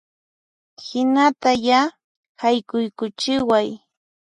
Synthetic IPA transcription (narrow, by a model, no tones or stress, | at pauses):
hɪnat̪aja | hajkʊjkʊt͡ʃɪwaj